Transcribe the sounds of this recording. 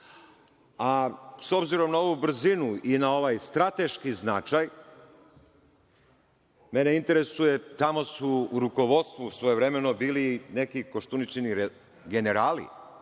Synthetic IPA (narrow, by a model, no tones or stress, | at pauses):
aso̞bziɾo̞mnao̞ʋubɾ̩zinuinao̞ʋajst̪ɾat̪e̞ʃkiznat͡ʃaj | me̞ne̞int̪e̞ɾe̞suje̞t̪amo̞suːɾuko̞ʋo̞t̪st̪ʋusʋo̞jeʋɾe̞me̞no̞biːline̞kiko̞ʃt̪unit͡ɕeniɾ | ɡe̞ne̞ɾaːlḭ